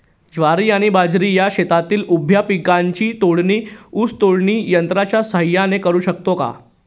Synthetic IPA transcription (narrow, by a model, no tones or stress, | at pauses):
d͡ʑʋaɾiːaɽ̃ibad͡zɾiːjaɕet̪at̪iːlʔubʱjapikaɲt͡ɕiːt̪oɽɳiːuːst̪oɽɳiːjənt̪ɾat͡ɕjasəɦjːanekəɾuːɕək̚t̪oka̰